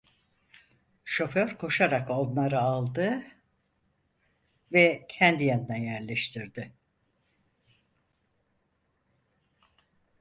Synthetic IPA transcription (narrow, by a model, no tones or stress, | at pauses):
ʃo̞fø̞ɾkʰo̞ʃaɾako̞nlˠaɾɯalˠd̪ɯ | vɛcʰænd̪ijanɯnajæɾlʲɛʃt̪ʰiɾd̪ɪ